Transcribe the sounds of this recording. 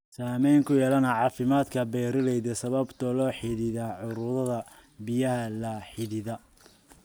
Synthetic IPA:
saːmɛjŋkʰʊjɛːlɐnɐʕɑːfɪmaːd̪kʰɐbɛːɾɪlɛjðɐsɐβɐbt̪ʰɔlɔːħɪðɪðaʕʊɾʊðɐðɐ | bɪjɐɦɐlɐħɪðɪðɐ

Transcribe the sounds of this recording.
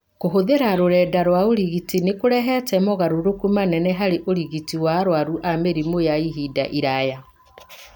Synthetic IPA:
koɦoðeɾaɾoɾɛːdaɾwaoɾiɣitinekoɾɛɦɛtɛmɔɣaɾoɾokumanɛnɛɦaɾeʔoɾiɣitiwaɾwaɾuʔameɾimojaiɦidaʔiɾaja

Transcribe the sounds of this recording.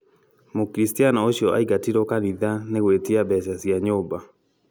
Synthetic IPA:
mokɾistianaoɕiɔʔaiɡatiɾokaniðaneɣwetiabɛʃasiaɲoba

